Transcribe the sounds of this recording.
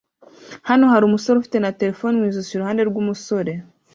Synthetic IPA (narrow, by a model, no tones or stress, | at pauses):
hano̞haɾumuso̞ɾeufi̥te̞nate̞ɾe̞fo̞ːnimwiːzusuɾuhaːnde̞ɾɡumuso̞ɾe̞